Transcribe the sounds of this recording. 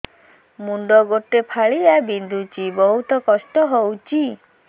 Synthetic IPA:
muɳɖɔɡoʈepʰaɭiabind̪ʱut͡ʃibɔɦut̪ɔkɔsʈɔɦowt͡ʃi

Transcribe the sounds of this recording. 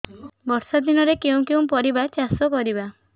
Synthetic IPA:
bɔɾsad̪inɔɾekew̃kew̃pɔɾibat͡ʃasɔkɔɾiba

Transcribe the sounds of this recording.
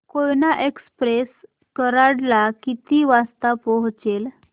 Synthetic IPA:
kojnaʔekspɾes | kəɾaɽlakit̪iʋast̪apɔɦt͡sel

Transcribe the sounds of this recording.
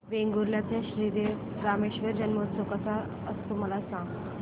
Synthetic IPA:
ʋeŋɡuɾljat̪jaɕɾide | ɾameɕʋəɾd͡ʑənmot̪t͡sokasa | əst̪um̤alasãŋɡ

